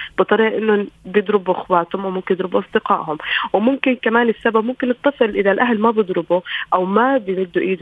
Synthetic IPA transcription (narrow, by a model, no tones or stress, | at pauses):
b̥ɨt̪ˤːɑɾiːʔʔɪnːʊnbjɪd̪ˤɾɪbuʔɪxwaːt̪hʊmwmʊmkɪnjɪd̪ɾɪbuʔɑsˤd̪ɪqɑːʔhʊmwmʊmkɪnkamaːnɪsːababmʊmkɪnːɨt̪ˤːɑsˤɨlʔɪðalʔaɦlmabjɨd̪ˤɾɪbuʔawmabjmɪd̪ːuʔiːd̪